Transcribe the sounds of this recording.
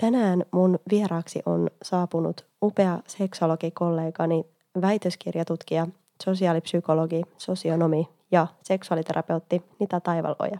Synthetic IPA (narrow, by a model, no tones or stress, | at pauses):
t̪ænæːnmunʋieɾɑːksḭʔo̞̰nsɑːpunṵt̪ | upe̞ɑse̞kso̞lo̞ɡ̥iko̞lːe̞ːɡɑni | ʋæjt̪øskirjɑt̪ut̪kiɑ | so̞siɑːlipsyko̞lo̞ɡiso̞sio̞no̞mi | jɑse̞ksuɑlit̪e̞ɾʔɑ̰pe̞wt̪ːinit̪æt̪ɑjʋɑ̰lo̰jɑ